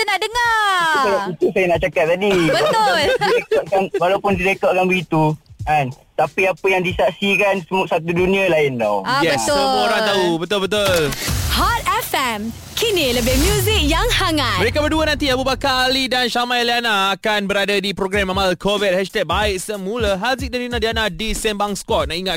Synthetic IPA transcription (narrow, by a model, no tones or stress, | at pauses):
t̪ənaʔdəŋaulait̪usajanaʔt͡ʃakat̪̚t̪ːadibət̪ʊliekɔt̪̚kanwalawpʊndiɾekɔt̪̚kanbəɡit̪ukan | t̪apiapəjaŋdisaʔsikansəmusat̪udunĩãlaɪndɔ̰wajɛbəsooɾaŋt̪aɦubət̪ʊlbət̪̬ʊllhat̪̚ɛfɛm | kʰiniləbɪhmjuzik̚jaŋsaŋat̪məɾekabəduənãnt̪̬iabubakaːlidanʃamajalianaakanbəɾadadipɾoɡɾɛmamalkʰovit̪̚hɛʃt̪ɛk̚baɪʔ̚səmulaɦazik̚dandinadianadisɛmbaŋskwɔt̪̚naʔiŋat̪̚